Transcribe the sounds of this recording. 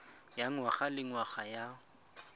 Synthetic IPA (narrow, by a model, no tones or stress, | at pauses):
jaŋwaɣalɪŋwaχaja